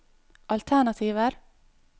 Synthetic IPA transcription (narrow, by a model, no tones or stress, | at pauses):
ʔɑlt̪ʰæɳɑt̪ʰiːʋəɾ